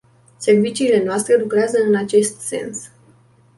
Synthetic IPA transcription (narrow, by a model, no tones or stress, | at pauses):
se̞rvit͡ʃiːle̞noast̪ɾe̞lukɾeazəɨnat͡ʃe̞st̪se̞̰ns